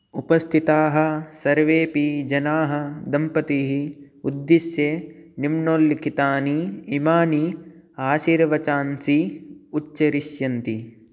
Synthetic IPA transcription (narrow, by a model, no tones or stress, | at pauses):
upɐst̪ʰit̪aːɦɐ̆sɐɾʋeːpid͡ʒɐnaːɦɐ̆d̪ɐmpɐt̪iːɦi | ud̪ːiʃjenimɳoːlːikʰit̪aːniːmaːniaːʃiːɾʋɐt͡ʃaːnsiuʃɐɾiʃjɐnt̪i